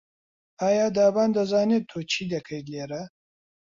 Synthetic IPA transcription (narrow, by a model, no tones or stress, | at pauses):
aːjaːd̪aːbaːnd̪ɐzɑːnet̪ʰot͡ʃʰid̪ekʰɐjɡleːɾɐ